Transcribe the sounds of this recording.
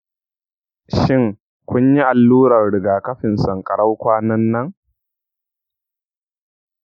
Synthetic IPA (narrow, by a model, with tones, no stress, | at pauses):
ʃɪ˦ŋ | kʷʊ˦ɲji˦ʔa˨lːuː˦ɽɐ˨rɽɪ˨ɡaː˨kɐ˦ɸɪ˨nsɐ˨ŋkʼɐ˨ɽa˦wkʷaː˦nɐ˦nːɐ˦ŋ